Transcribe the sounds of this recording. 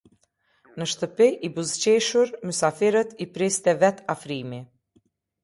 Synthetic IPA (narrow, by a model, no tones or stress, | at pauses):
nəʃt̪əpiʔibuzt͡ɕɛʃuɾmysafiɾət̪ipɾist̪ɛvɛt̪afɾimi